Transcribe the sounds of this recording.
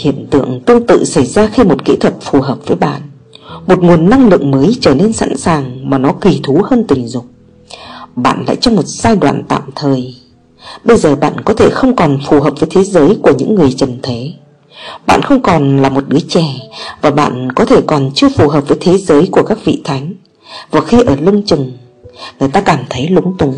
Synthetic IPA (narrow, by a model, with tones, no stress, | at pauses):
hḭ˧˨əmt̪ɨ̰˧˨əŋt̪ɨ˧əŋt̪ɨ̰˧˨sə˧˩jzaː˧xi˧mo˨˩t̚kḭ˧˥t̪ʰwə˨˩t̚fu˨˩ɦəː˨˩p̚v̥əː˨˦jɓa̰ː˧˨n | mo˨˩t̚ŋu˨˩ənːa˧ŋlɨ̰˧˨əŋməː˨˦jt͡ɕəː˧˩ne˧nsa̰ː˧˥nsaː˨˩ŋmaː˨˩nɔ˨˦ki˨˩t̪ʰu˨˦həː˧nt̪ï˨˩ŋ̟zʊ̰˨ŋ͡m̚ | ɓa̰ː˧˨nla̰ː˧˨jt͡ɕɔ˧wŋ͡mmo˨˩t̚z̥aː˧jɗwa̰ː˧˨nt̪a̰ː˧˨mt̪ʰəː˨˩j | ɓə˧jzəː˨˩ɓa̰ː˧˨nkɔ˨˦t̪ʰe˧˩xə˧wŋ͡mkɔ˨˩nfu˨˩ɦəː˨˩p̚vəː˨˦jt̪ʰe˨˦zəː˨˦jku˧˩əɲɨ̰˧˥ŋːɨ˨˩əjt͡ɕə˨˩nt̪ʰe˨˦ | ɓa̰ː˧˨nxə˧wŋ͡mkɔ˨˩nlaː˨˩mo˨˩t̚ɗɨ˨˦ət͡ɕɛ˧˩vaː˨˩ɓa̰ː˧˨nkɔ˨˦t̪ʰe˧˩kɔ˨˩nt͡ɕɨ˧əfu˨˩ɦəː˨˩p̚vəː˨˦jt̪ʰe˨˦zəː˨˦jku˧˩əkaː˦˥k̚vḭ˧˨t̪ʰa˨˦jŋ̟ | vaː˨˩xi˧ʔəː˧˩lə˧ŋt͡ɕɨ˨˩ŋ | ŋɨ˨˩əjt̪aː˧kaː˧˩mt̪ʰə˨˦jlʊ˨˦ŋ͡mt̪ʊ˨˦ŋ͡m